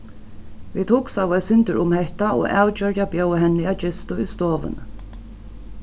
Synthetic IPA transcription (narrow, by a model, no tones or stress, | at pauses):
viːt̪ʰuksawvɛsɪnt̪əɹʊmhɛht̪aʔo̰aːwt͡ʃœɾjabjœwɦɛnːɪat͡ʃɪst̪ʊist̪oːʋɪ̰n